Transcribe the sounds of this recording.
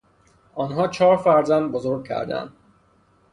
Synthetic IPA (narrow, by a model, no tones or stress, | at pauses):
ɒːnɦɒːt͡ʃʰɒːɾfæɾzænd̪̚bozoɾɡ̚cʰæ̰ɾd̪æ̰nd̪